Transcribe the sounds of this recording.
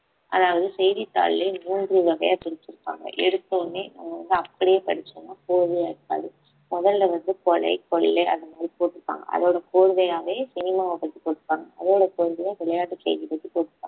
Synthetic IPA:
ʔɐ̰ːðaːʋɐðɯsɛjðit̪ːa̰ːllɐnuːndrɯʋɐɣɐ̰jaːt̪ɪɾɪt͡ʃːɪɾɯpːa̰ːŋɡɐ̰ʔɛɽɯt̪ːɐnːina̰ːmɐʋɐnd̪ɯɐpːɐɽɪjeːpɐɽɪt͡ʃːonːaːkoːɻɯðɐjaːɽɯt̪ːa̰ːðɯ | mɔðɐllɐʋɐnd̪ɯkɔlɐ̰ɪkɔɭɪlɐɪʔɐ̰nd̪ɐmaːd̪ɾipoːʈːɯɾɯpːa̰ːŋɡɐ̰ʔɐ̰ðoːɽɐkoːɻɯðɐjaːʋeːsɪnɪmaːʋɐpɐt̪ːipoːʈːɯpːaːŋɡɐʔɐðoːɽɐkoːɻɯðɐjaːʋɪɭɐjaːʈːɯkḛːɣipɐt̪ːipoːʈːɪɾɯpkːa̰ːɡɐ

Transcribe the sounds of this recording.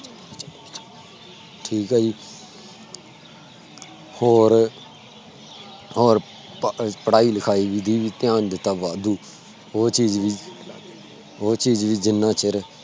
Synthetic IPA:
ʈʰiːkaːd͡ʒiː | hoːɾ | ɦoːɾ | pəɽaːiːləkʰaːiːʋid̪iːʋiːt̪ɪjãːnd̪ɪt̪aːʋaːd̪uː | ɦoːt͡ʃiːzʋiː | ɦoːt͡ʃiːd͡ʒʋiːd͡ʒɪnːãːt͡ʃəɾ

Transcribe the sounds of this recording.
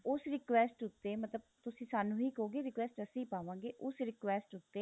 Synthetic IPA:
ʊsɾɪkʋɛːsʈʊt̪ːeːmət̪ləb̚t̪ʊsĩːsaːnũːɦiːkoːɡeːɾɪkʋɛːsʈəsĩːpaːʋãːɡeːʔʊsɾɪkʋɛːsʈʊt̪ːeː

